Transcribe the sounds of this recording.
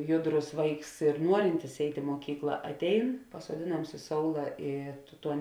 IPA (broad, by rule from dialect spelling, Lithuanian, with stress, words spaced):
ˈjʊˌdrʊs ˈʋɐɪks ɪr ˈnuɔrʲɪnʲtʲɪs ˈɛɪtʲ ɪ muɔˈkʲiːklˠɐ ɐtʲˈɛɪn pɐsuɔˈdʲeːˌnɐms ɪ ˈsoːʊlˠɐ ˈiː ˈtuɔ